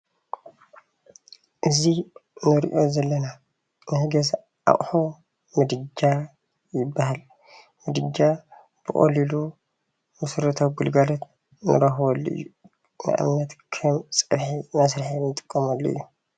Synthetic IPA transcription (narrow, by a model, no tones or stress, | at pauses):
ʔɨzinɨɾḭʔo̞zɐlːɐna | nɨhɡɐz | ʔa̰χʼħo | mɨd̪ɨd͡ʒːa | jɪbːahal | mɨd̪ɨd͡ʒːa | b̥ɨχʼo̰lilu | mɨsɾɐt̪ʰawɡɨlɡalot̪ | nɨ̰ɾɐxwɐlːo̰ʔɨ̰jːu | nɨ̰ʔɨ̰mnɐt̪kʰɨmsʼɨβħimɐsɾiħinɨt̪ʼɨ̥kʼːɐmalːo̰ɨ̰jːu